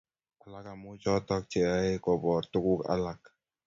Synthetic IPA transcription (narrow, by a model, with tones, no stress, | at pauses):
a˨la˦ka˨mu˦t͡ʃɔ˦t̪ɔ˦k̚t͡ʃɛ˨a˦jkɔ˨bɔ˨t̪u˦ku˦ka̰˨la˨˦k̚